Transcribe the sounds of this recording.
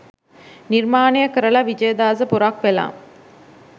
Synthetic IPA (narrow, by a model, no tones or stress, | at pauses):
niɾmaːnejɐkɐɾɐɭaʋid͡ʒɐjɐd̪aːzɐpuɾaːkʋela̰ːm